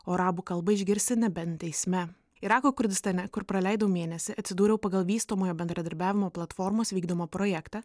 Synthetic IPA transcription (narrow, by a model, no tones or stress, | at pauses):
oːɾɑːbuːkɐlˠbɐɪʒʲɡʲɪɾʲsʲt̪ʲɪnʲɛbʲɛnt̪ʲɛɪsʲmʲɛ | ɪɾɑːkoːkʊɾʲd̪ʲɪst̪ɐnʲɛkʊɾpɾɐlʲɛˑɪd̪ɐʋʊmʲeːnʲɛsʲɪʔɐt̪ʲsʲɪd̪uːɾʲɛʊpɐɡɐlˠʋʲiːst̪oːmoːjoːbʲɛnd̪ɾɐd̪ɐɾʲbʲæːʋʲɪmoːplˠɐt̪fɔɾmoːsʋʲiːɡd̪oːmoːpɾɔjɛkt̪ɑ